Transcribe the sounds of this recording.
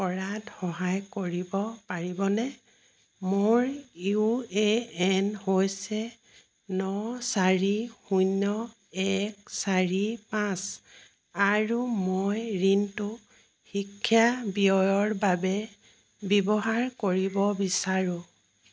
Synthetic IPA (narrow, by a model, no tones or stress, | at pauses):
pɔɹatxɔɦajkoɹibɔpaɹibɔnɛ | moɹueɛnhojsɛ | nɔsaɹixujnːɔ | ɛksaɹipãs | aɹumojɹintʊ | xikʰːjabiɔjɔɹbabɛ | bɛbɔɦaɹkoɹibɔbisaɹũ